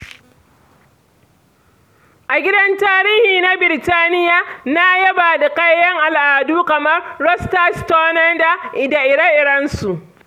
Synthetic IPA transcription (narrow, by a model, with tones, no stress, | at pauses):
ʔa˨ɡʲɪ˦dɐ˦ntaː˦ɾiː˦hiː˨na˦bɪ˨ɾtaː˦nɪ˦jaː˨na˦jɐ˦baː˨da˨kɐ˦jjɐ˦ŋʔa˨lʔaː˨duː˦kɐ˨mɐ˦rːɔ˦stɐ˦stoː˦nɐ˦da˨ʔɪ˨da˨ʔɪ˨ɽɐ˦ʔɪ˨ɽɐ˦nsu˨ʔ